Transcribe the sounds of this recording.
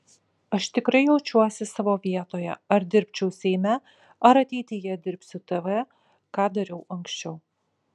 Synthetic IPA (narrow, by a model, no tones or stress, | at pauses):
ɐʃt̪ʲɪkɾɐɪjɛʊt͡ʃʲuɔsʲɪsɑːʋoːʋʲiɛt̪oːjɛ̰ɐɾd̪ʲɪɾʲpʲt͡ʃʲɛʊsʲɛɪmʲæ | ɐɾɐt̪ʲɛɪt̪ʲɪjɛd̪ʲɪɾʲpʲsʲʊt̪ɐʋʲɛ | kɑːd̪ɐɾʲɛʊʔɐŋksʲt͡ʃʲɛʊ